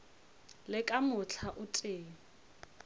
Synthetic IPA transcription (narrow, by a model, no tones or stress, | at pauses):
lɪkʼamʊt͡ɬʰaʔʊtʼeːŋ̩